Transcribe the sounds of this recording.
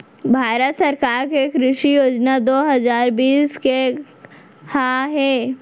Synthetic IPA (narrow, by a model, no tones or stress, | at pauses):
bʱaːɾət̪sɐɾkaːɾkekɾɪʃijoːd͡ʒnad̪oːɦɐzaːɾbiːske | haːɦɛː